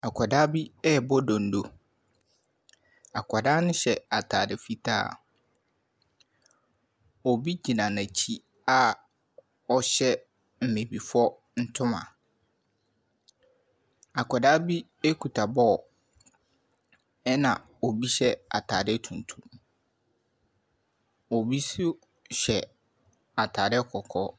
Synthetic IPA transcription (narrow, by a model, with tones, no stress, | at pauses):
a˨kʰɔ˨daː˦bi˦ɛ˦˨bɔ˦dɔ̃˨n̩˨do˨ | a˨kʰɔ˨daː˦nʊ̃˦ɕɛ˨a˨tʰaː˨dɪ˨fi˦tʰa̰ː˦ | o˨bi˦d͡ʑi˨nã˨nã˨t͡ɕʰi˦ | a˦ | ɔ˦ɕɛ˦ | m̩˨mẽ˨bi˨fɔ˦ | n̩˦tʰʊ̃˦mã̰˨ | a˨kʰɛ˨daː˦bi˦ | e˦kʰu˨tʰa˨bɔ˦˨ | ɛ˦nã̰˨ | o˨bi˦ɕɛ˦a̰˨tʰa˨dɪ˦tʰũ˨n˨tʰũ˦˨m | ɔ˨bi˦sʊ˦ | ɕɛ˨ | a˨tʰaː˨ɾɪ˦kʰɔ˨kʰɔ˦